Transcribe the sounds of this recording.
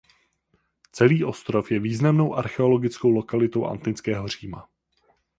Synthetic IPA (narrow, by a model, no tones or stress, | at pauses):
t͡sɛliːʔo̞st̪ɾo̞fjɛviːznamno̞wʔaɾxɛo̞lo̞ɡɪt͡sko̞wlo̞kalɪt̪o̞wʔa̰nt̪nɪt͡skɛːɦo̞r̝iːma̰